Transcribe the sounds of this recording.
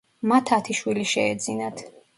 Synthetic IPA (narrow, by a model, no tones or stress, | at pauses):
mat̪ʰat̪ʰiʃwiliʃɛːd̪zinat̪ʰ